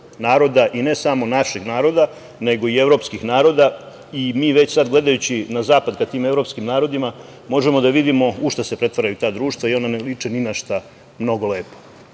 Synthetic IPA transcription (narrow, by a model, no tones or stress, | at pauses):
naːɾo̞d̪aʔine̞samo̞naʃeɡnaːɾo̞d̪a | ne̞ɡo̞ie̞vɾo̞pskixnaːɾo̞d̪a | imiːʋe̞t͡ɕsad̪ɡle̞d̪ajut͡ɕinazaːpad̪kat̪iːme̞vɾo̞pskimnaːɾo̞d̪ima | mo̞ʒemo̞d̪aʋid̪imo̞uʃt̪asepɾe̞t̪ʋaɾajut̪aːd̪ɾuːʃt̪ʋaio̞nanelit͡ʂenimaʃt̪a | mno̞ɡo̞leːpo̥